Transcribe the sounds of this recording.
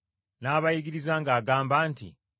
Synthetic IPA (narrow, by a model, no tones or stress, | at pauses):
naːβajiɡiɾizaːŋɡaːɡaːmbaːntḭ